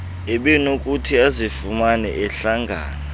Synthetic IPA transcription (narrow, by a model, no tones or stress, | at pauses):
ɛɓɛnokʼutʰiazifumanɛ̰ʔɛɬaŋɡʱa̰ːna